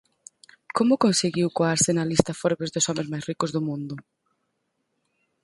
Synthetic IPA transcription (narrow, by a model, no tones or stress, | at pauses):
komʊkonseɣiwkoaɾsenalist̪ɐfɔɾβezðʊsɔmẽzmajsrikʊzðʊmũnd̪ʊ